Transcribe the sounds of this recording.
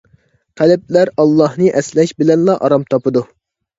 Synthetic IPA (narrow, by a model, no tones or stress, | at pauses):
qʰælɪp̚læɾɑlˠːɑhnɨʔɛslɛʃbɪlɛnlˠɑʔɑɾɑmt̪ʰɑpɨd̪u